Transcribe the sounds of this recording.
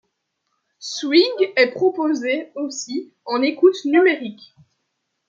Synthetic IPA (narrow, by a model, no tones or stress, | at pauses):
swiŋɡɛpχɔpozeosi | ɑ̃nekut̪nymeʁik